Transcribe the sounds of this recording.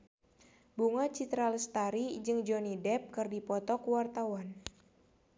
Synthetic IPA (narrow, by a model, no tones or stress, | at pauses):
buŋat͡ʃit̪ɾaləst̪aɾid͡ʒɨŋd͡ʒɔnidɛp̚kɨrdipɔt̪ɔkwart̪awan